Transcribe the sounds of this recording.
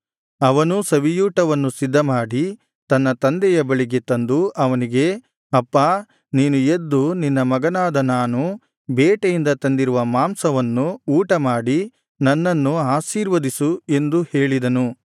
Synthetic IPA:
ɐʋɐnusɐʋijuːʈɐʋɐnːusid̪ʱːɐmaːɽi | t̪ɐnːɐt̪ɐnd̪ɛjɐbɐɭiɡet̪ɐnd̪uʔɐʋɐniɡe̞ | ɐpːaː | niːnujed̪ːuninːɐmɐɡɐnaːd̪ɐnaːnu | bɛːʈejind̪ɐt̪ɐnd̪iɾuʋɐmaːmsɐʋɐnːuuːʈɐmaːɽi | nɐnːɐnːuaːʃiːɾʋɐd̪isue̞nd̪uhe̞ːɭid̪ɐnu

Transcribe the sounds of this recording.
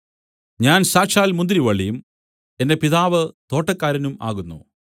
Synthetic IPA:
ɲaːnsaːkʂaːlmund̪ɾiʋɐɭːijum | e̞nde̞piðaːʋɨt̪o̞ːʈːɐkːaːɾɐnuma̰ːɣunːṵ

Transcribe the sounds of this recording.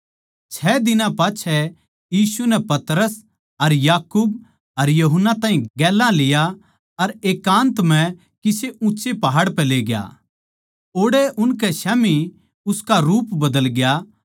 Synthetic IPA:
t͡ʃʰɛːd̪ɪnãpaːt͡ʃʰɛ | jiːsunɛpɐt̪ɾəs | ɐɾjaːkuːb̚ | ɐɾjɐɦənːat̪ãːɦĩɡɛːlːãlɪja | ɐɾeːkãːnt̪m̤ɛ̃ | kiseʊ̃ːt͡ʃepɐɦaːɽpɛ̃leːɡja̰ | oːɽeʔʊnkɛʃaːmi | ʊskaɾuːpbɐd̪əlɡɪja

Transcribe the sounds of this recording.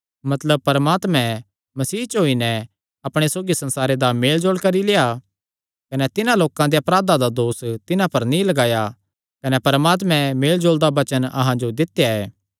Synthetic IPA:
mɐt̪ləb̚pɐɾmaːt̪mɛ̃ | mɐsiːt͡ʃɦoːinɛ | ɐpɽ̃esoːɡisɐ̃nsaːɾed̪ameːld͡ʒoːlkɐɾileːa | kɐnɛt̪ɪnãloːkãd̪eɐpɾaːd̪ãd̪ad̪oːst̪ɪnãpɐɾnĩlɐɡaːja | kɐnɛpɐɾəmaːt̪̬mɛ̃meːld͡ʒoːld̪abɐt͡ʃənɐ̰ɦãd͡ʒod̪ɪt̪jaɛː

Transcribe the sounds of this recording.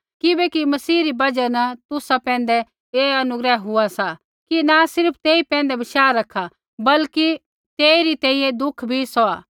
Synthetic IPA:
kɪbɛkimɐsiːɾibɐd͡ʒanɐt̪ʊsapɛ̃ːn̆d̪ɛ | eːɐnʊɡɾɛːɦʊasa | kinasɪɾpʰt̪eːipɛ̃ːnd̪ɛbɪʃaːɾɐkʰːa | bɐlki | t̪eːiɾit̪ɛ̃ːĩjẽd̪ʊkʰbʱisɔaː

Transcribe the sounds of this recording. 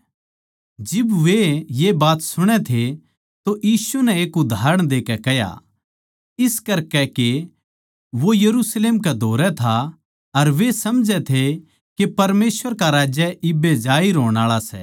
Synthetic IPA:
d͡ʒɪbʋejebaːt̪sʊɽ̃ɛt̪ʰe | t̪ojiːsunɛeːkʊd̪ʱaːɾəɽ̃d̪eːkɛkɛɦja̰ | ɪskɐɾkɛke | ʋojɐɾusleːmkɛd̪ʱoːɾɛt̪ʰa | ɐɾʋesɐmd͡ʒɛt̪ʰe | kepɐɾmeːsʋəɾkaɾaːd͡ʒɛʔɪbed͡ʒaːiɾoːɽ̃aːɭasɛ̰

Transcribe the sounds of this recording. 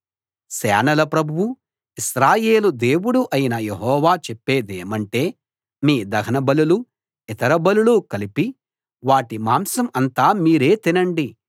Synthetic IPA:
sɛːnɐlɐpɾɐbʱuwu | isɾaːje̞ːlud̪e̞ːwuɽuʔɐjinɐjeɦɔːʋaːt͡ʃepːe̞ːd̪eːmɐɳʈe̞ː | miːd̪ɐɡʰɐnɐbɐlulu | it̪ɐɾɐbɐlulukɐlipi | ʋaːʈimaːmsɐmɐnt̪aːmiːɾe̞ːt̪inɐɳɖi

